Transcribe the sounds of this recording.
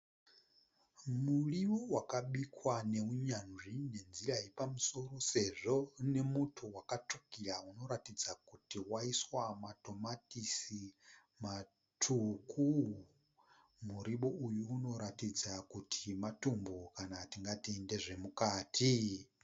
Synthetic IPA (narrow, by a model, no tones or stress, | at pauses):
muɺiβowakaɓikwane̞uɲanʐine̞nziɾajepamuso̞ɾo̞se̞ʐone̞mutʰuwakatʰukiɺauno̞ɾatid͡zakutiwaiswamatʰo̞matisi | ma | tʰuku | muɾiɓoʔujuːno̞ɾatid͡zakutʰimatumbokanatiŋɡatiendeʐe̞mukaːtʰi